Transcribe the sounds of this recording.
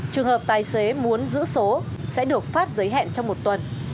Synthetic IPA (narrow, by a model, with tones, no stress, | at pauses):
t͡ɕɨ˨˩əŋhəː˨˩p̚t̪aː˨˩jse˨˦mu˨˦ənzɨ̰˧˥so˨˦sɛ̰˧˥ɗɨ˨˩ək̚faː˦˥t̚zə˨˦jɦɛ̰˧˨nt͡ɕɔ˧wŋ͡mmo˨˩t̚t̪wə˨˩n